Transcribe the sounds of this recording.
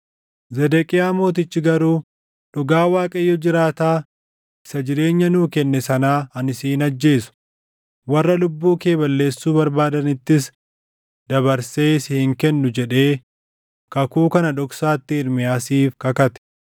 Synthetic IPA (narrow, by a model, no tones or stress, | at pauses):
zɛd̪ɛkʼɪjaːmo̞ːt̪̬ɪt͡ʃːɪɡɐɾuː | ᶑɔɡaːwaːkʼɐjːɔd͡ʒɪɾaːt̪aː | ɪsɐd͡ʒɪɾe̞ːɲːɐnuːkɛnːɛsɐnaːɐnɪsiːnɐd͡ʒːe̞ːsʊ̥ | wɐrːɐlʊbːuːke̞ːbɐlːe̞ːsːuːbɐɾbaːd̪ɐnɪt̪ːɪs | d̪̥ɐβɐɾse̞ːsɪhɪŋkɛnːʊd͡ʒɛᶑe̞ː | kɐkuːkɐnɐᶑ̪ɔksaːt̪ːɪɪɾmɪjaːsiːfkɐkɐt̪ɛ̥